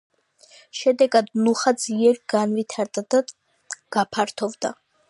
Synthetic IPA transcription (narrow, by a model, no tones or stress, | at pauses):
ʃɛd̪ɛɡad̪nuχad̪ziɛɾɡanvit̪ʰaɾd̪ad̪a | ɡ̥apʰaɾt̪ʰɔvd̪a̰